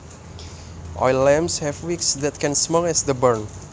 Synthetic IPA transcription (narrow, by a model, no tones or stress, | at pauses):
ʔɔ̰jlːɛ̃mshɛvwiksd̪ɛt̚kɛ̃nsmɔlɛsd̪əbəɹn